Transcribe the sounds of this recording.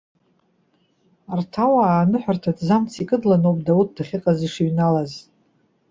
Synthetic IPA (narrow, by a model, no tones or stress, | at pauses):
artʰawaːnɨħʷᶣartʰadzamt͡sʰikʼɨdlanowpʼdaut̚ʰd̥aχʲɪqʼaziʂiɥnalaz